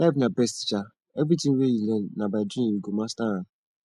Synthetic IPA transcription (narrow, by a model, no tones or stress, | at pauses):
lafnabɛsti̥t͡ʃa | ebitĩweilenabadɾĩniɡomastaa